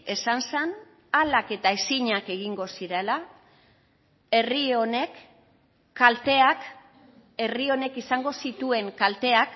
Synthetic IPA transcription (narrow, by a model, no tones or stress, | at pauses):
e̞sansan | alake̞t̪aesiɲake̞ɣ̞iŋɡo̞siɾe̞la | e̞rio̞ne̞kː | alt̪e̞ak | e̞rio̞ne̞kisaŋɡo̞sit̪ue̞ŋkalt̪e̞ak